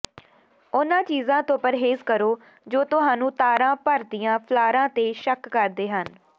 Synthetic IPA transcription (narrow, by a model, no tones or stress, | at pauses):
ʊnãːt͡ʃiːzãːt̪õːpəɾɦeːzkəɾoː | d͡ʒoːt̪ʊɦãːnũːt̪aːɾãːpəɾt̪ɪjãːpʰlaːɾãːt̪eːʃəkːəɾd̪eːɦən